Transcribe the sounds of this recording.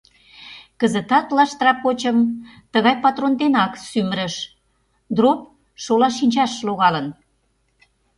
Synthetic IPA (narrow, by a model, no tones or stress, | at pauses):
kəzə̆t̪ɑt̪lɑʃt̪rɑpot͡ɕəmt̪əɣɑjpɑt̪rond̪enɑksyməɾə̆ʃ | d̪rop̚ | ʃolɑʃinʲt͡ɕɑʃloɣɑlən